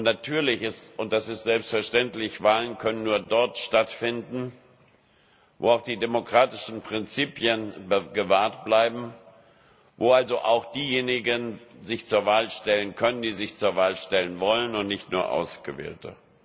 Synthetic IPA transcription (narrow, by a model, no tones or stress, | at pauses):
ʔʊnnatʰyːɐlɪçɪstʔʊnt̚d̥asɪstz̥ɛlpstfɛɐʃtɛntlɪçv̥aːlənkʰœnənːuːɐdɔɐtʃtatfɪndn̩ | vo̰ːaʊxd̥iːdemokʁ̥aːtɪʃn̩pʁ̥ɪnt͡siːpjənbəɡəvaːɐtb̥laɪbm̩ | voːalzoʔa̰ʊxd̥iːjeːnɪɡənzɪçt͡suːɐvaːlʃtɛlənkʰœnəndiːzɪçt͡suːɐvaːlʃtɛlənvɔlənʊntnɪçtnuːɐʔa̰ʊsɡ̥əvḛːltə̰